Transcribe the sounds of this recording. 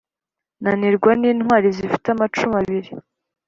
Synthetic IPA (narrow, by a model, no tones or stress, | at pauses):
naniɾɡwaniːnhwaːɾizifi̥tamat͡ʃumaβiɾi